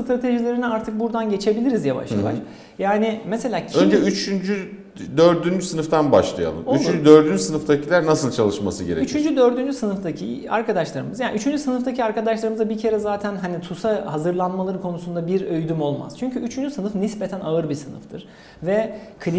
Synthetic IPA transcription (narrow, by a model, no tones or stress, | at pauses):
t̪ɾat̪ʰe̞ʒilʲe̞ɾiniaɾt̪ʰɯk̚buɾd̪anɟe̞t͡ʃʰe̞bilʲiɾizjava̰ʃlˠa̰lˠa̰ɾ | jaːnɪmese̞lʲaːcʰønd͡ʒɛyt͡ʃʰynd͡ʒy | d̪øɾd̪ynd͡ʒysɯnɯft̪ʰanbaʃlˠaja̰lˠɯ̰moyt͡ʃynd͡ʒyd̪øɾd̪ynd͡ʒysɯnɯft̪acʰilʲæɾnasɯlˠt͡ʃʰalˠɯʃmasɯɡɟe̞ɾɛ̰yt͡ʃʰynd͡ʒyd̪ø̞ɾd̪ynd͡ʒysɯnɯft̪acʰḭa̰ɾkʰad̪aʃlˠaɾɯmɯzjaːnʔyt͡ʃʰynd͡ʒysɯnɯft̪acʰiaɾkʰad̪aʃlˠaɾɯmɯzabicʰe̞ɾɛzaːt̪ʰænɦanit̪ʰusahazɯɾlˠanmalˠaɾɯkʰo̞nusund̪abiɾøjd̪ymo̞lˠma̰z̥t͡ʃʰyɲcʰyyt͡ʃʰynd͡ʒysɯnɯfnispe̞t̪ʰænaɯɾbisɯnɯ̰ft̪ʰɯɾ̥ | vɛkʰlʲi